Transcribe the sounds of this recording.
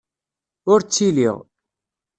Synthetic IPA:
ʊɾt͡sːilḭʁ

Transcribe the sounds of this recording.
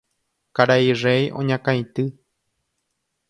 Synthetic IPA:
kaɾairejõ̰ɲãkãj̃t̪ɨ

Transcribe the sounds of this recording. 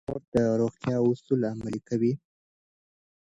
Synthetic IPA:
oɾd̪̥əɾoɣt̪jɑʊsulamalikawi

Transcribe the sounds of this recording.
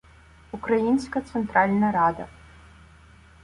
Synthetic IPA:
ukɾajinʲsʲkɐt̪sɛnt̪ɾalʲnɐɾad̪ɐ̰

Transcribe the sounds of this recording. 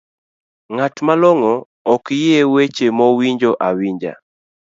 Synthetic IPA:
ŋatmaloŋɔː | kjewet͡ʃemɔwiɲd͡ʒoʔawiɲd͡ʒa̰

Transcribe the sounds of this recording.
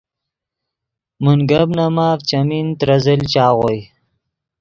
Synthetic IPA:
munɡabnamaːft͡ʃamint̪ɾazəlt͡ʃɑːɣoj

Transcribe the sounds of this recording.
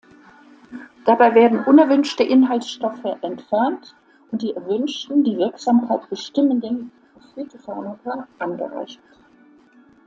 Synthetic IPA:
d̥abaɪveːɐdn̩ʔʊnɛɐvʏnʃtəʔɪnɦaltsʃtɔfəʔɛntfɛɐnt | ʔʊnt̚d̥iːɛɐvʏnʃtn̩diːvɪɐkz̥aːmkʰaɪtb̥əʃtɪməndɛnfɔfyːtʰofanatʰaʔanɡə̰ʁa̰ɪçt

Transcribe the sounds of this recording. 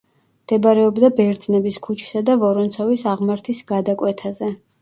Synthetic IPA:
md̪̥ɛbaɾɛɔbd̪abɛɾd̪z̥nɛbiskʰut͡ʃʰi̥sad̪avɔɾɔnt̪sʰɔvisaʁmaɾt̪ʰisɡ̥ad̪akʼwɛt̪ʰazɛ

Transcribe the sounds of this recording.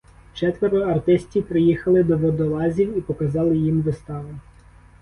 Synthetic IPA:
t͡ʃɛt̪ʋeɾʊɐrt̪ɪsʲtʲipɾɪjixɐlˠɪd̪ɔʋɔd̪ɔlˠɑzʲiwipɔkɐzɑlˠɪjimʋɪst̪ɑʋɐ

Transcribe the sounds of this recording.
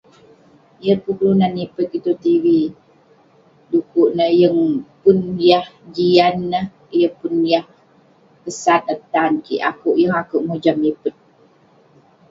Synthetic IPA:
jərkublunanːipət̪̚it̪ut̪iwi | dukuʔnəhjəŋpunjahd͡ʒianːəh | ijəpunjah | pəsat̪̚ət̪ankḭʔa̰kuʔjəŋakuʔmud͡ʒamipət̪̚

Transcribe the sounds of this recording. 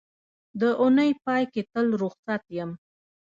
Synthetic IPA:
d̪əʔʊnəjpɑjket̪əlɾʊxsat̪jəm

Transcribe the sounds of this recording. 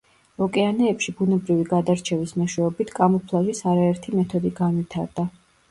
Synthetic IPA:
ɔkʼɛanɛːpʃibunɛbɾiviɡad̪aɾt͡ʃʰɛvismɛʃwɛɔbit̪ʰkʼamɔpʰlˠaʒisaɾaɛɾt̪ʰimɛt̪ʰɔd̪iɡanwit̪ʰaɾd̪a

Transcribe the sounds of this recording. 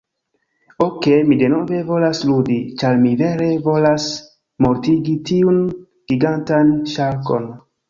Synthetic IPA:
okemide̞no̞ve̞vo̞lasludit͡ʃaɾmive̞ɾe̞vo̞las | mo̞ɾtiɡitiun | ɡ̥iɡantanʃaɾko̞n

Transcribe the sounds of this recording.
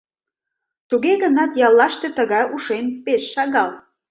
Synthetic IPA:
t̪uɣeɣənɑt̪jɑlːɑʃt̪et̪əɣɑjʔuʃempeʃːɑɣɑl

